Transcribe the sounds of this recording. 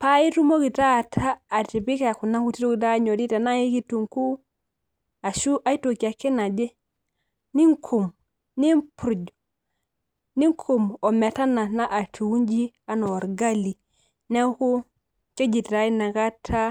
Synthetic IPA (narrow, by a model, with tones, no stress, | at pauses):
pa˦i˦tu˦mo˦ki˨ta˦˨tʰaː˦˨ti˨bi˦ka˨ku˨na˦ŋku˨ti˦to˦ki˨da˦ɲo˨di˦ta˨na˦ji˦ki˦tu˨ŋku˦ | a˨ʃu˦ʔa˦i˦to˨ki˨a˨ke˦na˨d͡ʒe˦ | ni˦ŋkʰu˨m | ni˦mpu˨ɾu˨d͡ʒ | ni˦ŋkʰu˨mo˨me˨ta˦na˨na˦ʔa˨tʰu˨wu˦nd͡ʒi˦a˨no˨ɾɡa˦li˨ | ne˦ku˦ | ke˦d͡ʒi˨tɾa˦i˦na˨ɡa˦tʰa˦